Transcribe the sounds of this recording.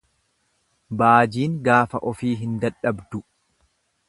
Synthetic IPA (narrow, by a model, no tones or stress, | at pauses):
baːd͡ʒiːŋɡaːfɐ̰ʔɔfiːɦɪnd̪ɐᶑːɐbd̪ʊ